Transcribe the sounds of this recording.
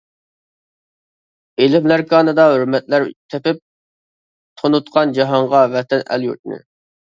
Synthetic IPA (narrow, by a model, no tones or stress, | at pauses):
elɪmlæɾkʰɑːnɨd̪ɑɦøɾmɛt̪læɾt̪ʰepɪp̚ | t̪ʰonut̪̚qʰɑnd͡ʒɑɦɑɴʁɑvɛt̪ʰɛnæ̰ljṵt̪nɪ̰